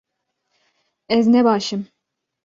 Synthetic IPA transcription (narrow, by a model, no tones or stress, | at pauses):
ɛznɛbɑʃɨm